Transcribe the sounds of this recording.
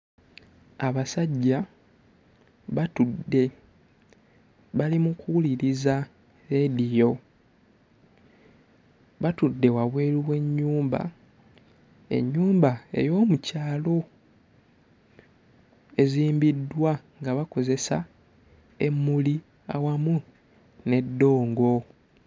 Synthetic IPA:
aβasaɟːa | βatudːe̞ | βalimukuuliɾiza | ɾedijo̞ | βatudːe̞waβwe̞ːliwe̞ɲːuːmba̰ | e̞̰ɲːuːmbae̞̰jo̞ːmucaːlo̞ | eziːmbidːwa | ŋɡaβako̞ze̞sa | e̞mːuli | a̰wamu | ne̞dːo̞ːŋɡo̞

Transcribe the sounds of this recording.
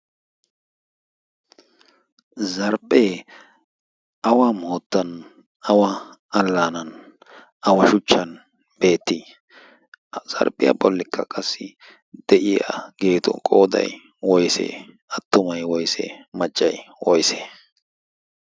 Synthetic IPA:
zɐɾpʼːeː | ɐwamoːt̪ːɐn | ɐwɐ | ɐlːaːnɐn | ɐwɐʃʊt͡ʃːɐn | b̥e̞ːt̪ːi | z̥ɐ̰ɾpʼːɪjɐ̰bɔlːɪkʰːɐkʼɐsːɪ | d̪̥ɛʔɪja̰ɡ̥e̞ːt̪ʊ̰kʼoːd̪ɐ̰j | wɔjsḛː | ɐt̪ːʊmɐjwɔjsḛːmɐt͡ʃʼːɐjwɔjseː

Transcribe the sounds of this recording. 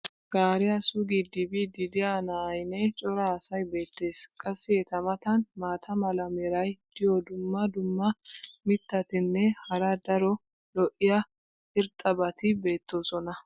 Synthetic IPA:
ɡ̥aːɾɪjɐsʊɡid̪ɪbid̪ɪd̪ɪanɐjnɛt͡ʃʼɔɾaːsɐjbe̞ːt̪ːe̞ːskʼɐsːɪɛt̪ɐmɐt̪ɐnmaːt̪ʰɐmɐlɐmɛɾɐjd̪̥ɪjɔd̪ʊmːɐd̪ʊmːɐmɪt̪ːɐt̪ɪnːɛhɐɾɐd̪ɐɾɔ | lɔʔɪjɐ | ɪɾt̪ʼːɐbɐt̪ɪbe̞ːt̪ːoːsɔnɐ

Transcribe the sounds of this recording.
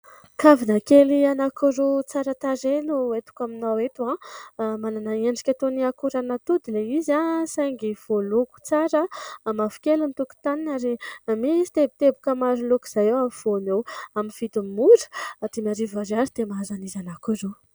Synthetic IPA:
kavinakelianakuɾut͡saɾət̪aɾenuet̪u̥kaminawet̪uãmananaeɳɖ͡ʐikʲat̪oniakuɾanat̪ud̪ileizasajŋɡiv̥oluku̥t͡saɾəmavu̥kelunit̪uku̥t̪aninaɾimisi̥t̪ebit̪ebukəmaɾulukiz̥ajewav̥onewaminfit̪ummuɾə̥at̪imaɾivaɾaɾid̪̥emaazanizanakuɾu

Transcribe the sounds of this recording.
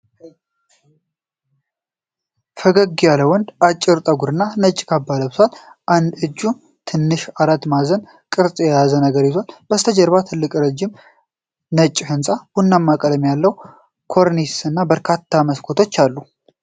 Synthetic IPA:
fəɡəɡːijaləwɔnd̪at͡ʃʼːɪɾt̪ʼəɡuɾɨnːanət͡ʃʼːkʰabːaləbsalʔand̪ɨd͡ʒːu | t̪ʰɨnːɨʃaɾat̪ːmazən | kʼɨɾsʼjɛjazənəɡəɾjɪzonb̥əst̪ʰəd͡ʒəɾβat̪ʰɨlːɨkʼɾəd͡ʒːɪm | nət͡ʃʼːhɨnsʼahunːamːakʼələmjalːəw | kʰo̞ɾnisɨnːabəɾkʰat̪ʰːaməskʰot̪ʰo̞t͡ʃːalːu

